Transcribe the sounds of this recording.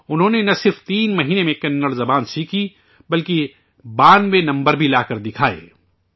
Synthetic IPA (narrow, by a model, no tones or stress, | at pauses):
ʊnɦõːnenɐsɪɾft̪iːnmɐɦiːnemẽkɐnːəɽzɐbaːnsiːkʰi | bɐlki | baːnʋẽnɐ̃mbəɾbʱilaːkɐɾd̪ɪkʰaːḛː